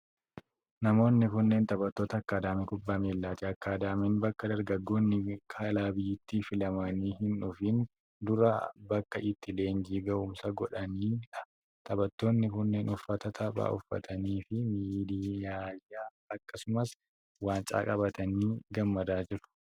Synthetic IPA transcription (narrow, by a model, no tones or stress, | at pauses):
nɐmo̞ːnːɪkʊnːe̞ːnt̪ʼɐbɐt̪ːo̞ːt̪ɐɐkːaːd̪aːmɛkʊbːaːmeːlːaːt̪ɪɐkːaːd̪aːmɛnbɐkːɐd̪ɐɾɡɐɡːo̞ːnːɪkʰɐlaːbɪjːɪt̪ːiːfɪlɐmɐniːɦɪnᶑʊfɪn | d̪ʊɾɐbɐkːɐʔɪt̪ːɪle̞ːnd͡ʒiːɡɐʔʊmsɐɡɔᶑɐniːᶑɐ̥ | t̪ʼɐbɐt̪ːo̞ːnːɪkʊnːe̞ːnʊfːɐt̪ɐt̪ʰɐba̰ːʔʊfːɐ̰t̪ʰɐniːfɪmiːd̪iːjaːjaː | ɐkːɐsʊmɐs | waːnt͡ʃʼa̰ːkʼɐbɐt̪ɐniːɡɐmːɐd̪aːd͡ʒɪɾʊ̥